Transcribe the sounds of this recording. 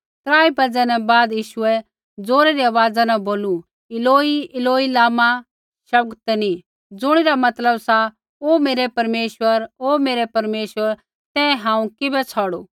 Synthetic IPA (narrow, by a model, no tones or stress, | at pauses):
t̪ɾaːibɐd͡zɛ̃nɛbaːd̪jiːʃʊɛ | d͡zoːɾɛɾiaʋaːd͡zanɛ̃boːlu | ɪloːiɪloːilaːma | ʃɐb̚ɡt̪ɛni | d͡zʊɽ̃ɪɾamɐt̪ləbsa | omeːɾɛpɐɾmeːʃwəɾoːmeːɾɛpɐɾmeːʃwəɾ | t̪ɛ̃ɦãːũkɪbɛt͡sʰɔːɽoː